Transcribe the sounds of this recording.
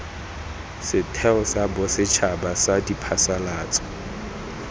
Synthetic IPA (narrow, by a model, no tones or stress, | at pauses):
sɪtʰɛɔsabɔsɪt͡ʃʰabasadipʰasalaːt͡sʼɔ̥